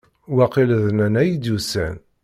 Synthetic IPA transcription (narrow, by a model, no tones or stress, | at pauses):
wæqiləðnænæjid̪usæ̰n